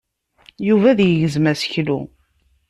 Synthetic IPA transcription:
juvæðjəʝəzmæsə̥çlṵ

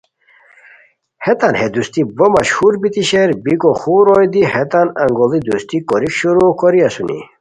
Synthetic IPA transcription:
het̪anhed̪ust̪ibəmɐɕhuɾbit̪iɕeɾbikoxuɾojd̪ihet̪anɐŋɡolid̪ust̪ikɔɾikɕuɾokɔɾiasunḭ

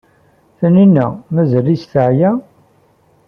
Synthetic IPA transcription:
θəninːæ̰mæzəlisθəʕjæ

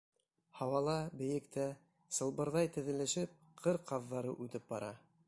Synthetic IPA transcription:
hɑwɑlˠɑbɘ̆jɘ̆kt̪æ | sɤ̆lˠbɤ̆ɾðɑjt̪ɘ̆ðɘ̆lɘ̆ʃɘp̚ | qʰɤɾqɑðːɑɾɤ̰ʔʉt̪ɘp̚bɑɾɑ̰

